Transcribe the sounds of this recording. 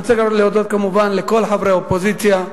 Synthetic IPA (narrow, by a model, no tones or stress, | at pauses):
t͡seɡaɾolejod̪ot̪̚kamuvanlekolħavɾeopozit͡sja